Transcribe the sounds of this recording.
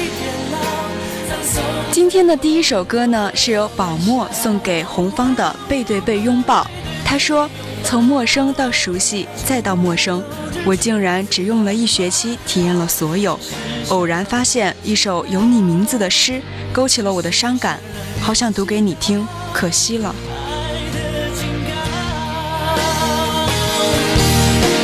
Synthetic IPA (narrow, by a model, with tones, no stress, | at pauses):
t͡ɕi˥nt̪ʰjɛ˥nd̪ə˨t̪i˥˧i˥ʂo˨˩ʊkɤ˥nə˨ʂɻ̩˥˩jo˧˥ʊpɑ˨˩ʊmwɔ˥˧swʊ˥˩ŋke˨˩ɪxʊ˧˥ŋfɑ˥ŋd̪ə̰˨pe˥˧ɪt̪we˥˧ɪpe˥˧ɪjʊ˥ŋpɑ˥˩ʊ | t̪ʰa˥ʂwɔ˥ | t͡sʰʊ˧˥ŋmwɔ˥˩ʂɤ˥ŋt̪ɑ˥˩ʊʂu˧˥ɕi˥˧t͡sa˥˧ɪt̪ɑ˥˧ʊmwɔ˥˩ʂɤ˥ŋ | wɔ˨˩t͡ɕi˥˩ŋɻa˧˥nʈ͡ʂɻ̩˨˩jʊ˥˩ŋlə˩i˥˩ɕɥɛ˧˥t͡ɕʰi˥t̪ʰi˨˩jɛ˥˩nlə˩swɔ˧˥jo˨˩˦ʊo˨˩ʊɻa˧˥nfa˥ɕjɛ˥˧ni˥˩ʂo˨˩ʊjo˧˥ʊni˨˩mi˧˥ŋd͡zɹ̩˨˧d̪ə˩ʂɻ̩˥ | ko˥ʊt͡ɕʰi˨˩lə˦wɔ˨˩d̪ə˦ʂɑ˥ŋka˨˩˦n | xɑ˨˩ʊɕjɑ˥˩ŋt̪u˧˥ke˧˥ɪni˨˩t̪ʰi˥ŋ | kʰɤ˨˩ɕi˥lə̰˨